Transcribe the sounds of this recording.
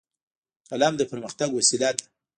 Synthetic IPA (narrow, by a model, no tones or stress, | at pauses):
kalɑmd̪əpəɾməxt̪aɡwasilad̪a